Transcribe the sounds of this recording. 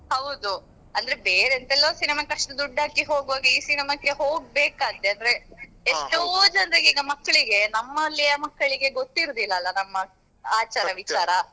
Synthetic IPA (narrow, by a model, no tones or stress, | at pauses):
hɐwd̪u | ɐnd̪ɐɾebeːɾent̪ɛlːoːsinimakeɐʂʈud̪uɖːaːkiɦoːɡʋaːɡɐiːsinimakːeɦoːɡ̚beːkaːt̪ːeɐnd̪ɐɾe̞ | eʂʈod͡ʒɐnt̪eɡiːɡɐmɐkːɐɭiɡe̞nɐmːɐlːiɐmɐkːɐɭiɡe̞ɡot̪ːiɾd̪ilːɐːlːɐnɐmːɐ | aːt͡ʃaːɾɐʋit͡ʃaːɾɐ